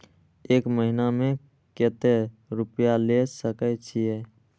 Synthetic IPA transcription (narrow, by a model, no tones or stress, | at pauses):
eːkməɦɪnamẽ | ket̪eɾʊpjalesəkət͡ʃʰiɛ